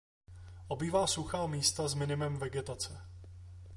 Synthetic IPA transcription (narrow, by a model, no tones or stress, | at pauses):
ʔo̞biːvaːsuxaːmiːst̪azmɪnɪmɛmvɛɡɛt̪at͡sɛ